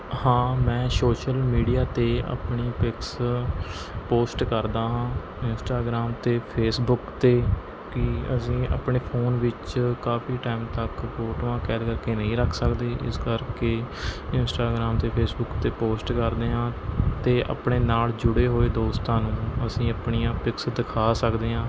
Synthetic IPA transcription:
hãːmɛ̃ːsoːʃəlmiːɖijaːt̪eːa̰ːpɳiːpɪks | poːsʈkəɾd̪aːɦãː | ɪnsʈaːɡɾaːmt̪eːpʰeːsbʊkt̪eː | kɪə̰sĩːa̰pɳeːpʰoːnʋɪt͡ʃkaːpʰiːʈaːɪmt̪əkpoːʈʋãːkɛːlkəɾkeːnəɦĩːɾəkʰsəkd̪eːʔɪ̰skəɾkeːɪnsʈaːɡɾaːmt̪eːpʰeːsbʊkt̪eːpoːsʈkəɾd̪eːɦãːt̪eːʔə̰ːpɳeːnaːld͡ʒʊɽeːɦoːeːd̪oːst̪ãːnũːəsĩːəpɳijãːpɪksd̪ɪkʰaːsəkd̪eːɦãː

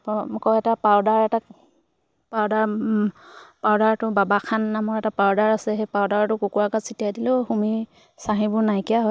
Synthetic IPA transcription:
pkɔjɛtapawdaɹɛta | pawdaɹ | pawdaɹtʊbabakʰanːamɔɹɛtapawdaɹasɛɦejpawdaɹtʊkukuɹakasitijajdilʊhumi | saɦibʊɹnajkijaɦɔ

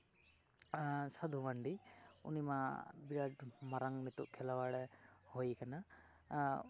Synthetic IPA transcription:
sad̪ʱuwaɳɖiṵnimabiɾaɖmaɾaŋnit̪uʔkʰɛlawaɽɛhojkana

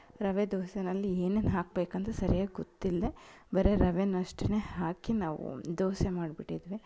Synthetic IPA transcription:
ɾɐʋed̪oːsenɐlːieːneːnɦaːk̚beːkɐnt̪esɐɾijaːɡɡot̪ːild̪e | bɐɾeɾɐʋenɐʂʈinehaːkinaːʋṵd̪oːsemaːɖbiʈːid̪ʋi

